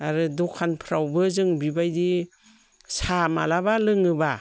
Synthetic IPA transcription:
aɾɯdɔkʰanpʰɾawbɯzɯŋbibajdi | sama̰labalɯŋɯba

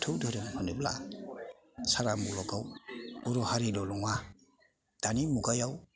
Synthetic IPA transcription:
tʰɯwdoɾampʰanubla̰ | saɾamulɔɡawuɾɔhaɾilɔlɔŋwa | d̥animuɡajaw

